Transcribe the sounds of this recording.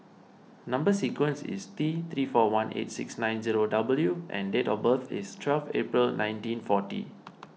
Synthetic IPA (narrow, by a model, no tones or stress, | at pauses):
nãmbəsikwə̃nsḭst̪it̪ɹifɔwãnʔḛtsḭksnãj̃nziɹodabəljuʔɛ̰̃ndetɔbət̪ḭstʰwɛlfḛpɹəlnʔãj̃ntĩnfɔtḭ